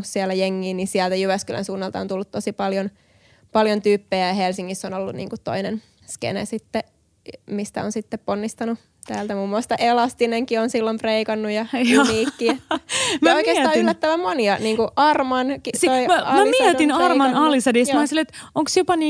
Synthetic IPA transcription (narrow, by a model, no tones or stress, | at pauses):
ssiælːˑæjeŋːiːnnisiælt̪æjyʋæskylʔæ̰nsuːnːɑlt̪ɑont̪ulːut̪t̪ːosipɑljon | pɑljont̪yːpːejæjɑhelsiŋːisːonolːunnḭːŋkut̪to̰inen | skḛnḛsit̪ːe | mist̪æ̰onsit̪ːepponːist̪ɑnu | t̪æːlt̪æmuːmːuɑst̪ɑʔelɑst̪ineŋkionsilːompreikɑnːujɑniːkːiet̪ːæmæoikeːsɑːylːæt̪ːæʋæmmoniɑniːŋkuʔɑrmɑnkitioimæɑmæmiɛt̪inɑrmɑnɑlisɑdismɑsilet̪ʔoŋksjopɑniː